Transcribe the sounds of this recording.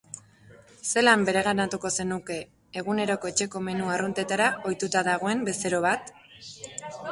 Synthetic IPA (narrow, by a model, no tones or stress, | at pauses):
se̞lambe̞ɾe̞ɣanat̪uko̞se̞nuke̞ː | ɣune̞ɾo̞ko̞et͡ʃe̞ko̞me̞nuarunt̪e̞t̪aɾao̞jt̪ut̪aðaɣ̞o̞e̞mbe̞se̞ɾo̞β̞at̪